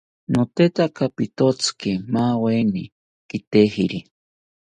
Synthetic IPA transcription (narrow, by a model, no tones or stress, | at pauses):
not̪et̪akapit̪ot͡sɨ̥kimaːweni | kit̪ehiɾi